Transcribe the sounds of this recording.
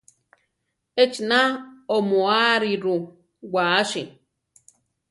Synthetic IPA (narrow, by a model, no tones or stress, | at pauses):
et͡ʃinaomoaɾiɾu | ɡʷaʃi